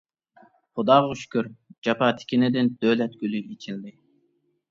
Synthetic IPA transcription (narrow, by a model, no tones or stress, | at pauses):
χʊd̪ɑːʁɑyʃkʲyɾd͡ʒɑpɑːt̪ʰɪ̥kʲinɪd̪ɪnd̪̥ølɛt̪̚ɡʲylyet͡ʃʰild̪ɪ